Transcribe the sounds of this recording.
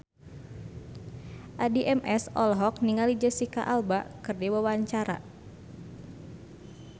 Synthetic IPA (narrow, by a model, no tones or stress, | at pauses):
ʔadiʔɛmʔɛsɔlɦɔk̚niŋalid͡ʒəsika̰ʔalbakɨrdiwəwaɲt͡ʃaɾa̰